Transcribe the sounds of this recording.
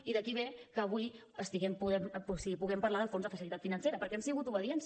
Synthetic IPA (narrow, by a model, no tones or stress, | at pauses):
iðəkiβ̞ekəːβuj | əst̪iɣɛmpuðɛmosiɣipuɣɛmpəɾlaðəlˠfonzðəfəsilit̪at̪finənseɾəpəɾkɛɛmsiɣut̪uβəðiɛns